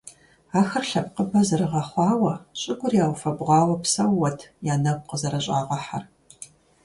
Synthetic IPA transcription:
aːxɐrɬɐp̚qəbɐzɨɾɨʁɐχʷɑːwɐɕʼɪɡʷʊrjaːwfɐbʁʷɑːwɐpsɐwːɐtʰjaːnɐwʷqəzɐɾɐɕʼaːʁʷɐħa̰r

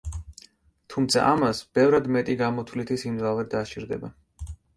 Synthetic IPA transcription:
t̪ʰumt̪sʰa̰ʔamasb̥ɛvɾad̪mɛt̪ʼiɡamɔt̪ʰlit̪ʰisimd̪zavɛɾd̪at͡ʃʰʼiɾd̪ɛ̰ba

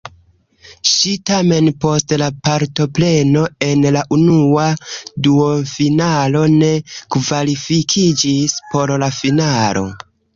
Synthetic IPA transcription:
ʃitame̞npo̞stlapaɾto̞ple̞no̞e̞nlaʔunuaduofinalo̞ne̞kvalifikʰid͡ʒispo̞ɾlafinalo̞̰

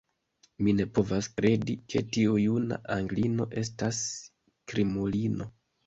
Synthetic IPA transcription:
mine̞po̞vaskɾe̞dike̞tiujuna̰ʔaŋɡlino̞ʔe̞s̬tas | kɾimulino̞

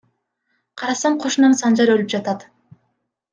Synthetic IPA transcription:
qʰɑɾɑsɑɴqʰo̞ʃunɑnsɑnd͡ʒɑɾølyp̚d͡ʒɑt̪ɑt̪

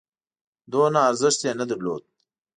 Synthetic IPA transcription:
d̪oːnaːɾzɪʃt̪jenad̪ɪɾlo̰ːd̪̚

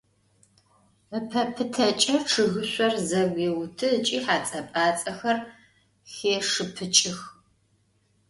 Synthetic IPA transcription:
əpʰɐpʰɨtʰɐt͡ʃʼɐʈ͡ʂʰɨɣɨɕʷʼɔrzɐɡʷeːwʊtʰɨt͡ʃʼiːħaːt͡sʼɐpʼaːt͡sʼɐxɐr | xeːʂɨpʰɨt͡ʃʼɪx

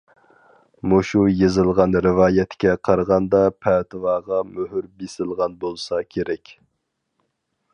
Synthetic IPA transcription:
moʃujezɨlˠʁɑnɾɪvɑːjɛt̪kʲɛqʰɑɾʁɑnd̪ɑpʰɛt̪ʰɨvɑːʁɑmøɦyɾbesɪlˠʁɑnbolˠsɑkʲʰeɾɛkʲ

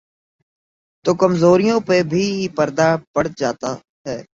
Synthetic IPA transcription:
t̪oːkəmzoːɾijõːpebʱipɐɾd̪apəɽd͡ʒaːt̪a | ɦɛː

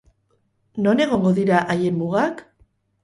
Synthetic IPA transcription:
no̞ne̞ɣ̞o̞ŋɡo̞ðiɾaʔajemmuɣak

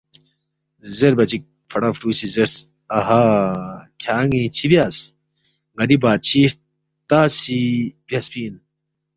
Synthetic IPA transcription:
zeɾbɐt͡ɕik̚ | fʰɐʈafʈuːsizeɾs | ɐɦa | kʰaːŋĩt͡ɕʰibiaːs | ɡɐɾibaːt̪̚t͡ɕʰi | t̪aːsib̥jaspiːn

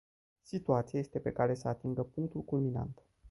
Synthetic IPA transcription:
sit̪uat̪sijaje̞st̪e̞pe̞̰kaɾe̞səat̪iŋɡəpuŋk̚t̪ulkulmina̰nt̪

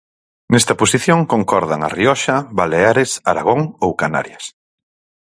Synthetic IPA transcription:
nɛst̪ɐposiθjoŋkoŋkɔɾðaŋa̰riɔʃɐβaleaɾesaɾa̰ɣ̞oŋowkana̰ɾjɐs

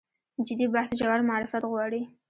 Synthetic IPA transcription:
d͡ʒɪd̪ibahsd͡ʒawaɾmaɑɾɪfat̪ɣwɑɽi

